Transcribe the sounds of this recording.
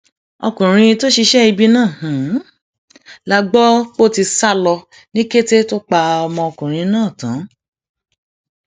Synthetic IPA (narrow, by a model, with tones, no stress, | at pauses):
ɔ˧kũ˨ɾ̃ĩ˧to˦ʃi˧ʃɛ˦i˧bi˦nãː˦˨h̩˨ | la˦ɡ͡bɔ˦k͡po˦ti˧sa˦lɔ˧ | nĩ˦ke˦te˦to˦k͡pa˧ɔ˧mɔ̃˧ɔ˧kũ˨ɾ̃ĩ˧nãː˦˨tã˨˦